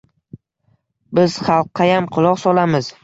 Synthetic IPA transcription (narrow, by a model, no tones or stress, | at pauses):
bɪz̥χɑlˠqːɑjamqʰʊlˠɒqsɒlamɪz̥